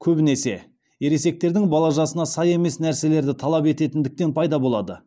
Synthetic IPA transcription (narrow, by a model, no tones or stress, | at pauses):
kʲʰɵbɪnese̞̰ | jeɾe̞se̞k̚t̪e̞ɾd̪ɪŋbɑlˠɑʒɑsənɑsɑje̞me̞snæɾse̞le̞ɾd̪ɪt̪ʰɑlˠɑpe̞t̪e̞t̪ɪnd̪ɪk̚t̪e̞npʰɑjd̪ɑbo̞lˠɑd̪ə